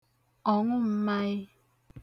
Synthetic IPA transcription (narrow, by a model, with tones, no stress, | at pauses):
ɔ˨ŋʷʊ˦m̩˦ma˦ɣɪ˦